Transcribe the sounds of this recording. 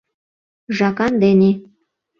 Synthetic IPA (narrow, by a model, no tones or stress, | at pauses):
ʒɑkɑnd̪ene